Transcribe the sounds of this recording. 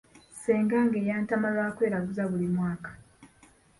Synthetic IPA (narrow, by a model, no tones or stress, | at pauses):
se̞ːŋɡaːŋɡeːjaːntamalwaːkwe̞ːɾaɡuzaβulimwaːkḁ